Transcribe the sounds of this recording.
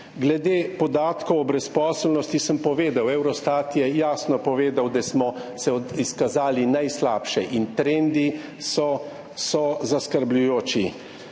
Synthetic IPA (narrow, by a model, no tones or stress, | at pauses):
ɡlɛd̪eːpɔd̪aːt̪kɔwɔbɾɛspɔːslnɔst̪isəmpɔʋeːd̪awɛwɾɔst̪at̪jɛjaːsnɔpɔʋeːd̪awd̪asmɔsɛiskazaːlinajslaːpʃɛʔint̪ɾend̪i | sɔ | sɔzaskəɾblujoːt͡ʃi